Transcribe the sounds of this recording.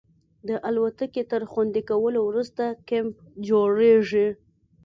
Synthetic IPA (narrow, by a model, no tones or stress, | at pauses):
d̪əʔalwat̪əket̪əɾxwand̪ikawəlowɾust̪akemp̚ | d͡ʒoɽeʐi